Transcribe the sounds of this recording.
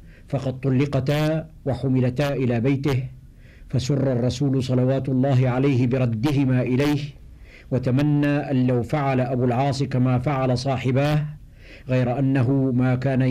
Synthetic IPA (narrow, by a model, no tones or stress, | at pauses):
fɑqɑd̪̚t̪ˤːʊlːɪqɑt̪aːwaħʊmɪlat̪aːʔɪlaːbajt̪ɪh | fasʊrˤːɑrˤːɑsuːlsˤɑlɑwaːt̪lˤːɑːɦɪʕalajhɪbɪɾˤɑd̪ːɪɦɪmaːʔɪlajh | wat̪amanːaːʔanlawfaʕalaʔabuːlʕɑːsˤɨkamaːfaʕalasˤɑːħɪbaːh | ɣajɾaʔanːaɦʊmaːkaːna